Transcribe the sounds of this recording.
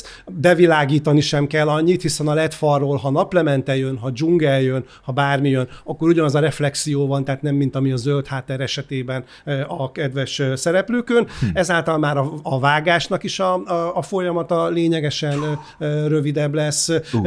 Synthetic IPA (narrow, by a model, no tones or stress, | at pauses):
bɛvilaːɡiːt̪ɒniʃɛmkɛlːɒɲːit̪hisɛnɒlɛt̪fɒrːoːlɦɒnɒplɛmɛnt̪ɛjønɦɒd͡ʒuŋɡɛljøn | hɒbaːrmijønɒkːo̞ɾuɟɒnɒzɒɾɛflɛksijoːvɒnt̪aːt̪nɛmːint̪ɒmiɒzølt̪haːt̪ːɛɾɛʃɛt̪eːbɛn | ɒkɛd̪vɛʃsɛɾɛpløːkønɛzaːlt̪ɒlmaːɾɒːvaːɡaːʃnɒkiʃɒːfo̞jɒmɒt̪ɒleːɲɛɡɛʃɛn | røvid̪ɛblɛs